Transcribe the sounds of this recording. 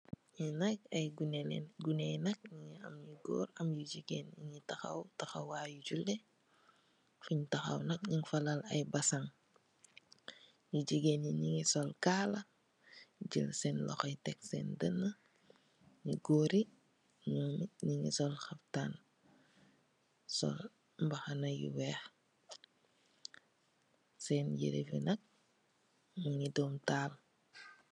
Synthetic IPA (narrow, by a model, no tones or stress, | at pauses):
jinɐk̚ɐjɡun̰ɡunɛjnɐk̚ɲiŋiɐ̰mjiɡo̰ːɾɐmjuɟiɡeniɲitɐxɐ̰wtɐxɐwwaːjuɟulɛ | fuɲtɐxɐ̰wnɐk̚ɲiŋfɐlalɐ̰jbɐsaŋ | juɟiɡeniɲiŋisɔlkalɐ | ɟilsɛnlɔ̰xɐjtɛksɛ̰ndənːə | ɲiɡoːɾi | ɲumiɲiŋḭsɔlxɐftan | sɔ̰l | mbɐxɐnɐjḭwɛːx | sɛːnjḭɾḛfḭnɐk̚ | ɲiŋidɔːmtaːl